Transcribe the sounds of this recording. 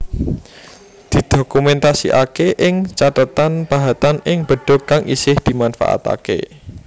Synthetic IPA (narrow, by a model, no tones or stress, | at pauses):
d̪̥i̤d̪̥okumɛnt̪asḭʔa̰keʔɪŋt͡ʃat̪ət̪anb̥a̤ɦat̪anɪŋb̥ə̤ɖ̥ɔ̤kːaŋʔisɪhd̪̥i̤manfa̰ʔa̰t̪a̰kḛ